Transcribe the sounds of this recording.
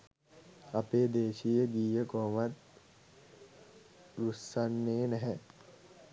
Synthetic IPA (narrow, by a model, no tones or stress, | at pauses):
apeːd̪eːʃijəɡiːjəkoːmat̪ | ɾusːanːeːnɛɦɛ